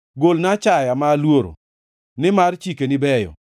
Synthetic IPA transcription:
ɡolnat͡ʃajamaːlwoɾo̰ | nɪmart͡ʃikenɪbɛjɔ̰

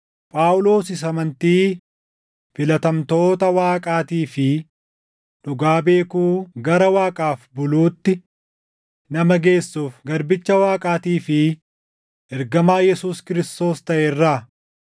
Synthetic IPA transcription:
pʼaːʊlo̞ːsɪs̬ɐmɐnt̪iː | fɪlɐt̪ɐmt̪o̞ːt̪ɐwaːkʼaːt̪iːfɪ | ᶑʊɡaːbe̞ːkuːɡɐɾɐwaːkʼaːfbʊluːt̪ːɪ | nɐmɐɡe̞ːsːuːfɡɐɾbɪt͡ʃːɐwaːkʼaːt̪iːfɪ | ɛɾɡɐmaːjɛsuːskɪɾɪst̪o̞ːst̪ɐʔeːrːaː

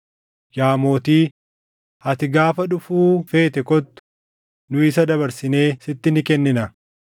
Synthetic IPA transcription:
jaːmo̞ːt̪iː | hɐt̪ɪɡaːfɐᶑʊfuːfe̞ːt̪ɛkɔt̪ːʊ̥ | nʊɪsɐd̪ɐbɐɾsɪne̞ːsɪt̪ːɪnɪkɛnːɪnɐ

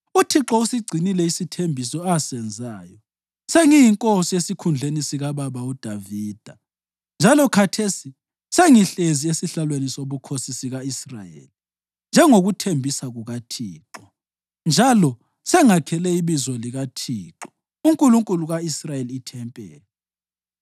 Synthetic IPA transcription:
utʰiǁɔusiɡ͡ǀʱinilɛisitʰembʱisɔasɛnd͡zʱaːjɔ | seŋijiŋkʼosiesikʰund͡ɮʱenisiɣaβaβaud̥ʱaviːd̥ʱa | nd͡ʒʱalɔkʰatʰesi | seŋiɬeziesiɬalwenisoβukʰosisiɣaisra̰jḛːli | nd͡ʒʱɛŋoɣutʰembʱisaɣuɣatʰiːǁɔ | nd͡ʒʱalɔ | sɛŋakʰɛlɛiβizɔliɣatʰiːǁɔ̥ | uŋkʼuluŋkʼuluɣaisrajeliːtʰɛmpʼɛːlɛ

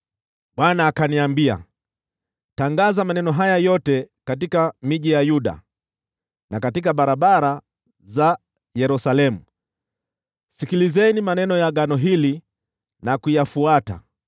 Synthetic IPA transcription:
ɓwanaːkaniambia̰ | taŋɡazamanɛnɔɦajajɔtɛkatikamiʄijajuɗa̰ | nakatik̬aɓaɾaɓaɾa | za | jɛɾusalɛmu | sikilizɛnimanɛnɔjaɠanɔɦili | nakujafuata̰

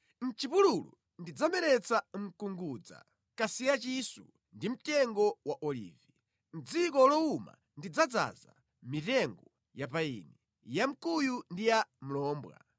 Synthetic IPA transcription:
n̩t͡ʃipululṵ | ndid͡zamɛɾɛt͡sam̩kuŋɡuːd͡za̰ | kasijat͡ʃisṵ | ndim̩tɛŋɡɔwaʔɔlḭːvi | m̩d͡zikɔlɔuma̰ | ndid͡zad͡za̰za̰ | mitɛŋɡɔ | japaḭːnɛ | jam̩kujundijam̩lɔːmbwa̰

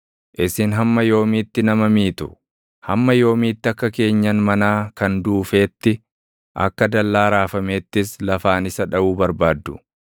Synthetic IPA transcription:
ʔɪsɪnɦɐmːɐjo̞ːmiːt̪ːɪnɐmɐmiːt̪ʊ̥ | hɐ̰mːɐjo̞ːmiːt̪ːɪɐkːɐke̞ːɲːɐnmɐnaːkɐnd̪uːfe̞ːt̪ːɪ | ʔɐ̰kːɐd̪ɐlːaːɾaːfɐme̞ːt̪ːɪslɐfaːnɪsɐᶑɐʔuːbɐɾbaːd̪ːʊ̥̰

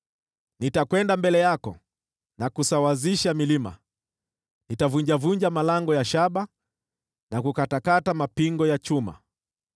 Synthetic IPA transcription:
nitakwɛndambɛlɛjakɔ | nakusawaziʃamilima̰ | nitavuɲd͡ʒavuɲd͡ʒamalaŋɡɔjaʃaɓa | nakukatakatamapiŋɡɔjat͡ʃuma̰

